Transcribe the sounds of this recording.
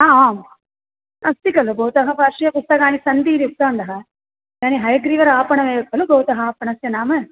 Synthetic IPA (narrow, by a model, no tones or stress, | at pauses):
aːaːm | ɐst̪ikɐlubɐwt̪ɐɦɐpɐɾʂijɐpust̪ɐkaːnisɐnd̪iːɾiut̪ːaːnd̪ɐɦɐ | ɡaːniɦɐjɐɡɾiːʋɐɾaːpɐɳɐʋeːɐkɐluɡɐwt̪ɐɦɐaːpɐɳɐsjɐnaːmɐ